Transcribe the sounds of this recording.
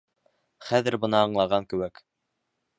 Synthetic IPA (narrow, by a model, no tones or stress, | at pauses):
χæðɘ̆ɾbɤ̆nɑːɴlˠɑʁɑŋkɘ̆wæk